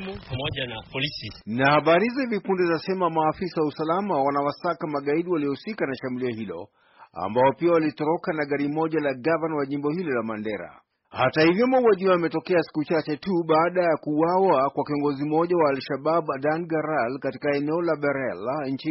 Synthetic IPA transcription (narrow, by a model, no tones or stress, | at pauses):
upamɔʄanapɔlisinahaɓaɾizaivipundɛzasɛmamaːfisawausalamawanawasakamaɠaiɗiwaliɔhusikanaʃamuliahilɔ̰ | a̰mbaɔpiawalitɔɾɔkanaɠaɾimɔʄalaɡavanwaʄimbɔhilɔlamandɛɾa̰ | hatahivjɔmauwaʄiaːmɛtɔkɛasi̥kut͡ʃat͡ʃɛtuɓaːɗajakuwawakwakiɔŋɡɔzimɔʄawaːlʃaɓabdanɡaɾalkatikaɛnɛɔlaɓɛɾɛlɲ̩t͡ʃi